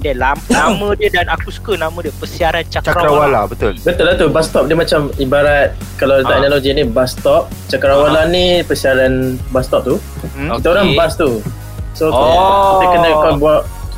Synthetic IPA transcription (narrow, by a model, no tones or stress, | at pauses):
dəlamnamə̃diədanakuskənamə̃diəpəsiaɾant͡ʃakt͡ʃaɾaɾawalabət̪ʊlbət̪ulat̪ubast̪ɔp̚diəmat͡ʃamibaɾat̪̚ | kalawit̪aɛnaloɡinibast̪ɔp̚t͡ʃakəɾawalanipəsiaɾanbast̪ɔp̚t̪u | kit̪aoɾaŋbast̪u | so | akənakabuaʔ